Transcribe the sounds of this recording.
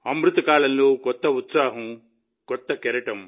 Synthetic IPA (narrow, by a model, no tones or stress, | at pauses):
ɐmɾut̪ɐkaːɭɐnluːkɔt̪ːɐut̪saːɦɐ̃ | kɔt̪ːɐkɛɾɐʈɐm